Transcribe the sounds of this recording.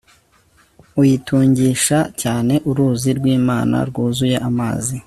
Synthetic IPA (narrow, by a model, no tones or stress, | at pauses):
ujitʰuːɲɟiʃacaːne̞ʔuɾuːziɾɡwiːmaːna̰ɾɡuːzujeʔama̰ːzi